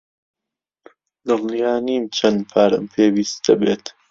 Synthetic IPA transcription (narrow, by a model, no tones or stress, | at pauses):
d̪ɨlnijaːniːmt͡ʃʰɐnd̪pʰaːɾə̰mpʰeːwiːst̪ɐbeːt̪